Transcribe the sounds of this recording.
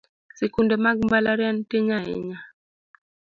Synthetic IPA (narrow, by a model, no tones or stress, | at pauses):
sikundɛmaɡ̚mbalaɾantiŋaḛɲa